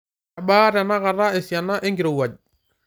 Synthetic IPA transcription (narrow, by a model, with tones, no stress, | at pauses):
a˨baː˦ɾa˨na˦ɣa˨ɾa˦e˨sia˨na˦ʔe˦ŋɡiɾo˨u˨a˨d͡ʒ